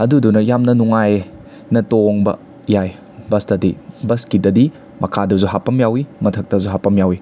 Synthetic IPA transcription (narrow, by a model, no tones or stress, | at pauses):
ɐdudunɐjamnɐnuŋaj | nɐtoŋbɐ̰ | jaj | bɐstɐdibɐskidɐdi | mɐkʰadɐzuɦapɐmjawimɐtʰɐk̚tɐzuɦapɐmjawi